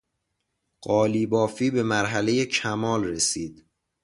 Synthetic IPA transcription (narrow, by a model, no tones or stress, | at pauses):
ɢ̥ɒːliːbɒːfiːbe̞mæɾɦæle̞je̞cʰæmɒːlresiːd̪̥